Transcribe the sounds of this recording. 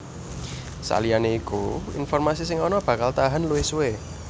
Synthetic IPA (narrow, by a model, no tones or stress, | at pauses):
sa̰lianeikuḭnfɔrmasisɪŋɔnɔb̥a̤kalt̪aɦanluwɪsuwe